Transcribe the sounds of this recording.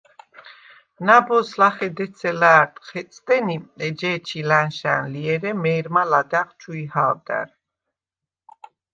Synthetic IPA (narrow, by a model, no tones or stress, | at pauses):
nabɔslaχɛd̪ɛsʰɛlaːɾt̪ʼχɛsʼt̪ʼɛniɛd͡ʒɛːt͡ʃʰilanʃa̰nliɛɾɛmɛːɾmalad̪aχt͡ʃʰuihaːwd̪a̰ɾ